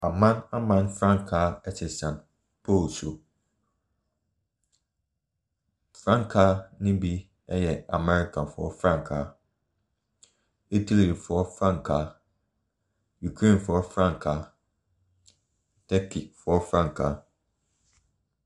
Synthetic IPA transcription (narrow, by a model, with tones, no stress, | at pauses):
a˨mã˦nã˦mã˦nfɾã˦ŋkʰa˨˦ɛ˦tʰɪ˨sã˨n | pʰo˦˨lso˨ | fɾã˦ŋkʰa˦nɪ̃˦bi˦ | ɛ˦jɛ˨a̰˨mɛ˦ɾi˨kʰã˨fɔ̰˦fɾã˦ŋkʰa˨˦ | i˦tʰi˦li˨i˨fɔ˦fɾã˦ŋkʰa˨ | ju˨kʰɾẽ˦˨nfɔ˦fɾã˦ŋkʰa˨˦ | tʰɛ˦kʰi˨fɔ˦fɾã˦ŋkʰa˨˦